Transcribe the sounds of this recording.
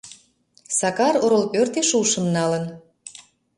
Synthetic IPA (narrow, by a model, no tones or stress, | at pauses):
sɑkɑɾoɾolpørt̪eʃuʃə̆mnɑlən